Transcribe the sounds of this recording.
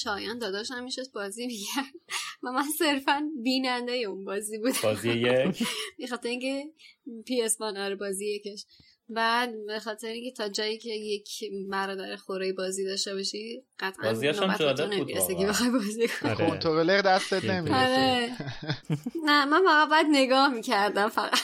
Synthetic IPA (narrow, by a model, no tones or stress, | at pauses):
ʃɒːjænd̪ɒːd̪ɒːʃæmːiʃod̪̚bɒːzimiɟæɾd̪væmænse̞ɾfænbiːnænd̪ejeunbɒːzibuːd̪æzij | bexɒːt̪ʰeɾeiŋcʰepʰiesbɒnɒɾebɒːziːjecʰeʃ | bæd̪bexɒːt̪ʰeɾeĩŋcʰe̞t̪ʰɒːd͡ʒɒːjicʰe̞jecʰbæɾɒːd̪æɾexoɾeːjebɒːziːd̪ɒʃt̪ebɒʃiɢ̥æt̪ʰʔzinoba̰tt̪uneiɾeseebexɒjbɒːzikʰokʰont̪ʰoɾeleɾd̪æst̪et̪nemiɾe | næmænfæɣæt̪̚bæːd̪ne̞ɡɒːhmiːcʰæɾd̪æmfæɣæ